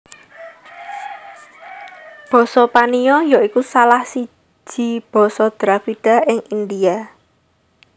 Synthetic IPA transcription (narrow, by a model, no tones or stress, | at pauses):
b̥ɔ̤sɔpaniɔjaʔikusalahsi̥ | ʒ̥i̤b̥ɔ̤sɔd̪̥ɾafid̥a̤ɪŋʔind̪ia